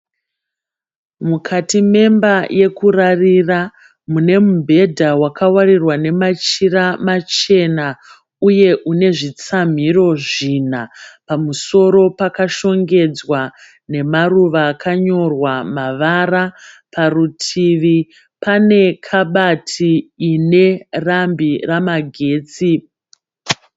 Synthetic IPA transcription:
mukʰatime̞mbaje̞kurarira | mune̞mubʱe̞dʱawakawarirwane̞mat͡ʃiramat͡ʃe̞na | uje̞ʔune̞ʐit͡sam̤iro̞ʐiːn̤apamuso̞ɾo̞pakaʃo̞ŋɡe̞d͡zwa | ne̞maruʋakʰaɲo̞rwamaʋara | pʰarutʰiʋi | pane̞kʰaɓatʰiːne̞rambiramaɡʱe̞ːt͡si

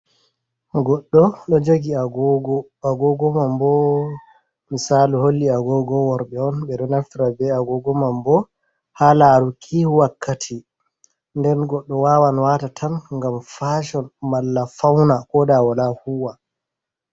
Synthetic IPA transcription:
ɡɔɗːɔɗɔd͡ʒoɡiaɡɔɡɔ | aɡɔɡɔmambɔ | misaːluholːiaɡɔɡɔwɔɾɓɛɔnɓɛɗɔnaftiɾabɛaɡɔɡɔmambɔ | halaɾukʰiwakːatʰi | ndɛnɡɔɗːɔwawanwaːtatʰanŋɡamfaːʃɔnmalːafawnakɔdawalahuwa

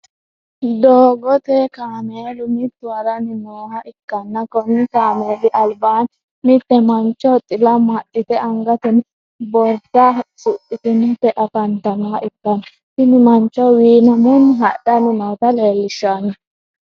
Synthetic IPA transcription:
d̪oːɡɔt̪ɛkaːmeːlʊmɪt̪ːʊwɐɾɐnɪnoːɦɐʔɪkːɐnːɐkɔnɪkaːmeːlɪʔɐlbaːn | mɪt̪ːɛmɐnt͡ʃːɔt̪ʼːɪlɐmɐt̪ʼːɪt̪ɛɐŋɡɐt̪ɛnɪ | bɔɾt̪ɐsʼʊʔɪt̪ɛnɪtɛʔɐkɐnt̪ɐnaʔɪkːɐnɐ | sɪnɪmɐnt͡ʃːɔwiːnɐmʊnːɦɐɗɐnɪnɔːt̪ɐleːlːɪʃanɐ

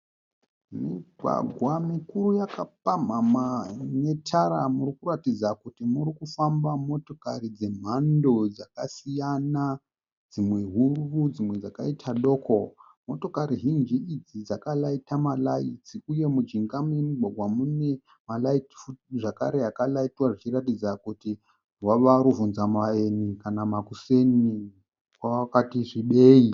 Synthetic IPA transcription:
miɡʱwa̰ɡʱwamikuɾujakap̚am̤amane̞tʰaɾamurikuɾatid͡zakutimuɾikufambamo̞to̞karid͡ze̞m̤ando̞d͡zakasijana | d͡zimwe̞ɦurʋud͡zimwe̞d͡zakaitʰaɗo̞ːkʰo | mo̞to̞kaɾiɦind͡ʒiid͡zid͡zakalaitamalait͡siuje̞mud͡ʒiŋɡaminirwaɡʱwamune̞ | malaiti̥futʐakaɾe̞jakalaitwaʐit͡ʃiratid͡zakuti | ɦwaʋaɾuvunzamaenikanamakuse̞ni | kwawakatiʐiɓe̞ːi

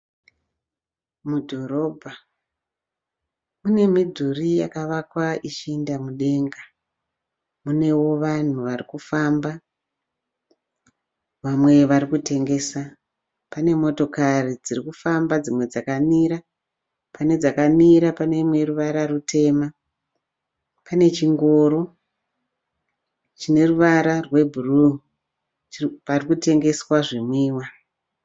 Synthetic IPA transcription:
mudʱo̞ɾo̞ːbʱa | mune̞midʱurija̰kaʋakwaʔit͡ʃindamuɗe̞ŋɡa | mune̞wo̞ʋan̤uʋarikufamba | ʋamwe̞ʋaɾikute̞ŋɡe̞ːsa | pane̞mo̞to̞karid͡zirikufambad͡zimwe̞d͡zakamiɾa | pane̞d͡zakamiɾapane̞mwe̞ruʋaɾarutʰe̞ːma | pane̞t͡ʃiŋɡo̞ɾo̞ | t͡ʃine̞ruʋaɾarwe̞bʱuru | t͡ʃparikute̞ŋɡe̞swaʐimwiːwa

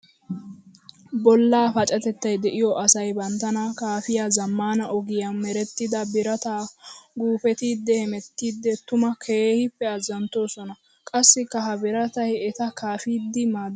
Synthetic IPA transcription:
bɔlːaːfɐt͡ʃʼɐt̪ɛt̪ːɐjd̪ɛʔɪjɔʔɐsɐjbɐnt̪ːɐnɐkaːfɪjaːzɐmːaːnɐʔɔɡɪjɐmɛɾɛt̪ːɪd̪ɐbɪɾɐt̪aːɡuːfɛt̪iːd̪ːɛhɛmɛt̪ːiːd̪ːɛt̪ʊmɐkʰeːhɪpːɛɐzːɐnt̪ːo̞ːsɔnɐ | kʼɐsːɪkːɐɦɐbɪɾɐt̪ɐjɛt̪ɐkʰaːfiːd̪ːɪmaːd̪

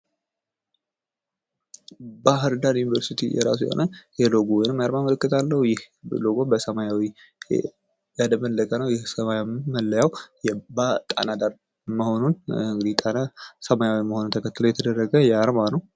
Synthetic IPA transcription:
baɦɨɾd̪anjunivəɾsit̪ʰḭjɛ̰ɾa̰s̬ujɛ̰ho̞̰nʔəjɛloɡowɔjnɨmːjaɾmamələkːɨt̪ʰalːəhujɪh | loɡobəsəmajawi | jad̪əmənləkʼənəwjɛhsəmajamməlːəjawjɛbat̪ʼa̰nad̪aɾ | məho̞nunŋɡɨd̪it̪ʼanasəmajawiməhonunt̪ʰəkʰət̪ːɨlojɛt̪ʰəd̪ərːəɡəjɛaɾmanəw

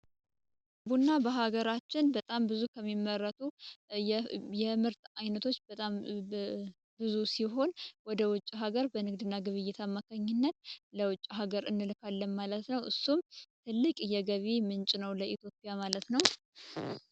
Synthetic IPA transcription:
bunːabəɦaɡəɾat͡ʃːɪnbət̪ʼambɨzukʰəmːimːərːət̪ʰʼu | jɛmɨɾt̪ajnət̪ʰo̞t͡ʃːbət̪ʼam | bɨzusiɦo̞nwɔd̪əwʊt͡ʃʼːiɦaɡəɾbənɨɡ̚d̪ɨnːaɡɨβɨjːɛt̪ʰamːakʰaɲːɪnːət̪̚ləwʊt͡ʃʼːiɦaɡəɾɨnːɨlɨkʰalːənmalət̪nəwʔɨsːumt̪ʰɨlːɨkʼjɛɡəβemɨnt͡ʃʼnəwləit̪ʰjo̞pʼijamalət̪nəw

